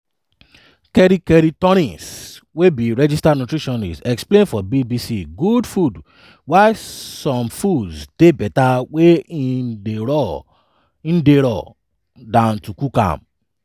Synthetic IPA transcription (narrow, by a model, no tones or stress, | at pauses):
kɛɾikɛɾitɔ̃ɾĩswebiɾɛd͡ʒistadnutɾiʃɔ̃nḭsɛksplẽnfɔbibisiɡudfud | waɪsɔ̃mfudzd̥ebɛtaweĩeɾɔ | ĩn̩deɾɔ̰ | dãntukukã̰m